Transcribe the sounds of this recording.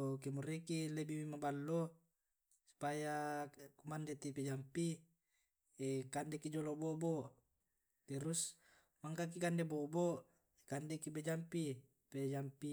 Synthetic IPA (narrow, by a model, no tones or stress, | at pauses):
kimurekilebimimabalːo | su̥pajakumandet̪iped͡ʒampi | ekandekid͡ʒolobobo | t̪ɛɾus | maŋkak̬ikandebobo | kandekiped͡ʒampi | ped͡ʒampi